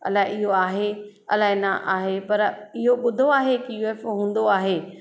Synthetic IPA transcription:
ɐ̰laːɦɪɪɦoaːɦe | ɐ̰laːɦenɐʔa̰ːɦepɐɾɪɦoɓʊd̪ʱoaːɦekijuɛfɦũːn̆d̪oaːɦeː

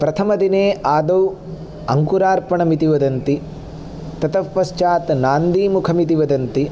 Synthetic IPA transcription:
pɾɐt̪ʰɐmɐd̪ineːaːd̪ɐw | ɐŋkuɾaːɾpɐɳɐmit̪iʋɐd̪ɐnt̪i | t̪ɐt̪ɐʋpɐst͡ʃaːt̪naːnd̪iːmukʰɐmit̪iʋɐd̪ɐnt̪i

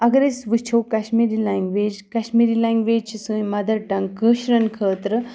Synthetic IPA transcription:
ɐɡɾesʋɨt͡ʃʰowkaʃmiːɾilaːŋɡʋeːd͡ʒkaʃmiːɾilaːŋɡʋeːd͡ʒt͡ʃʰisɨ̃jmɐd̪ɐɾʈɐŋkɨːʃɾɐnkʰəːt̪ɾɨ

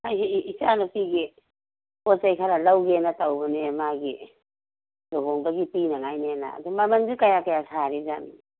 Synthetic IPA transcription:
hajɦːsanupiɡi | osajkʰaɾalawɡenatawbanemaɡi | loɦoŋbaɡipinaŋajnena̰ːdumamaŋdikajakajasʰaɾizani

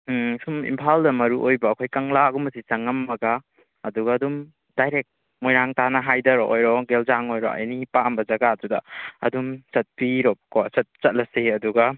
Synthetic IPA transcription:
sumḭmpʰaldɐmɐɾuʔojbɐːkʰojkɐŋlaɡumɐsisɐŋɐmːɐɡa | ɐduɡɐːdum | d̥ajɾek̚ | mojɾaŋtanɐɦajdɐɾɔʔojɾɔɡelzaŋojɾɔ̰ɐ̰jnipaɐmbɐzɐɡadudɐɐ̰dumsɐt̚piɾɔkɔsɐt̚t͡ʃɐt̚lɐsiɐduɡɐ

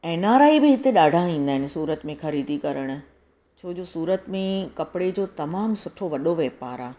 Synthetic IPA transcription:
ɛːnaːɾaːibɪɦɪt̪eɗaːɖʱãĩːnd̪aːɦɪnɪ̆suːɾət̪mẽxɐɾiːd̪ʱikɐɾəɽ̃ʊ̆ | t͡ɕʰoːd͡ʑoːsuːɾət̪mẽkɐpɪɽed͡ʑoːt̪ɐmaːmsʊʈʰoʋɐɗoʋeːpaːɾaː

